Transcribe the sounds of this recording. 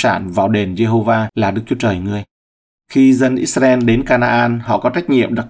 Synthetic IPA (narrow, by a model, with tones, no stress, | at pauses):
saː˧˩nvaː˨˩wɗe˨˩nze˧ɦo˧vaː˧laː˨˩ɗɨ˦˥k̚t͡ɕu˨˦t͡ɕəː˨˩jŋɨ˨˩əj | xi˧zə˧nʔḭ˦˥sa˧ɛ˧nɗe˨˦nkaː˧naː˧ʔaː˧nhɔ̰˧˨kɔ˨˦t͡ɕa˦˥jk̟̚ŋḭ˧˨əmɗa˨˩k̚